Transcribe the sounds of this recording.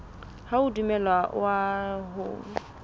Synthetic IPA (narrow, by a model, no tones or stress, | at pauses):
haʊdumɛlwawaɦʊ̰